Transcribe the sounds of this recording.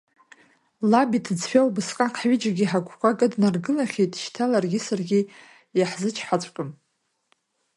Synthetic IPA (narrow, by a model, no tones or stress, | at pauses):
labitʰɨd͡zħʷʲᶣawbɨsqʼaqʰħɥid͡ʒaɡʲiħakʷʰʼkʷʰaɡʼadnarɡɨlaχʲejtʼʃtʰalarɡʲisarɡʲi | jaħzɨt͡ʃʰħat͡ɕʷʼkʼɨm